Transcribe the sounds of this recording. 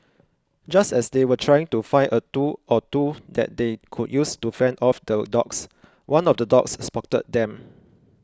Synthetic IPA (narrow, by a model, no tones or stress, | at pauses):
d͡ʒastɛsdewətʰɹajɪ̃ŋtufãɪʔətuʔɔtudɛ̰t̚dekʰud̚justufɛ̃ndɔfdədɔ̰ks | wãnɔfdədɔ̰ksspɔk̚tə̰t̚dɛ̃m